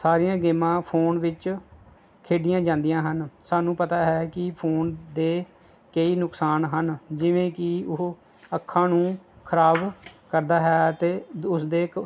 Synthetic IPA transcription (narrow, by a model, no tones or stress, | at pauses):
saːɾijãːɡeːmãːpʰoːnʋɪt͡ʃ | kʰeːɖɪjãːd͡ʒãːnd̪ijãːɦənsaːnũːpət̪aːɦɛːkɪpʰoːnd̪eː | kəiːnʊksaːnɦənd͡ʒɪʋẽːkɪʊ | əkʰːãːnũːkʰəɾaːbkəɾd̪aːɦɛːt̪eːʊsd̪eː